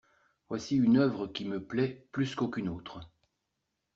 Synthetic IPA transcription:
vwasiynœvʁəkʲiməplɛplyskokʲynoːt̪χə

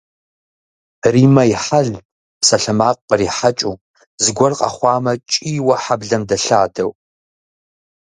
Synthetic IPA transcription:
riːmɐjɪħaɮ | psɐɬɨmaːqʼəriːħat͡ʃʼuː | zɨɡʷɔrqʼa̰χʷɑːmɐt͡ʃʼiːwɐħabɮɐmdɐɬaːdɐw

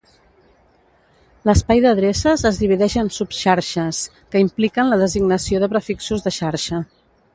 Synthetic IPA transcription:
ləspajðəðɾesəzəzðiβ̞iðɛʃənsupʃaɾʃəs | kəimplikənləð̞əziɡnəsioðəβɾəfiksuzðəʃaɾʃə

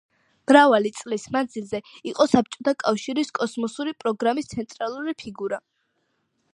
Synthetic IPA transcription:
m̥ɾavalit̪sʼlismand̪zilˠzɛiqʼɔsap̚t͡ʃʼɔt̪ʰakʼafʃiɾiskʼɔsmɔsuɾipʼɾɔɡɾamist̪sʰɛnt̪ʼɾalˠuɾipʰiɡuɾa

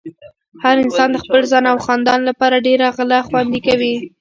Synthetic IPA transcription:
haɾɪnsɑnd̪əxpəlzɑnawxɑnd̪ɑnlapɑɾaɖeɾaɣlaxwand̪ikawi

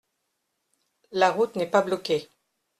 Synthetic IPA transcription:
laʁut̪nɛpablɔkʲe

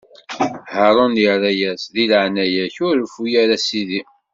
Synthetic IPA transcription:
həɾˤonərˤæjæsðilʕnæjæçʊɾfujæɾasiði

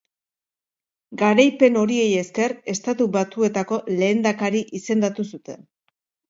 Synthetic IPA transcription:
ɡaɾajpe̞no̞ɾie̞je̞ske̞re̞st̪at̪uβat͡s̪ue̞t̪ako̞le̞ːnd̪akaɾiʔise̞nd̪at̪usut̪e̞n

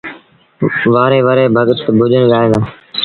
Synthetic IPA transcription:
ʋaːɾeːʋəɾeːbʱəɠt̪bʱʊʄənɠaːẽːd̪ãː

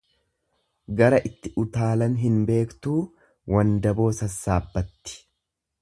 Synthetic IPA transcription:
ɡɐɾɐʔɪt̪ːɪʔʊt̪aːlɐnɦɪnbe̞ːkt̪uː | wɐnd̪ɐbo̞ːsɐsːaːbːɐt̪ːɪ̥

